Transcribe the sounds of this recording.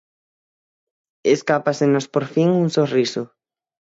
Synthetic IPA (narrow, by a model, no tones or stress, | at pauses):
eskapasenospoɾfiŋuŋsorisʊ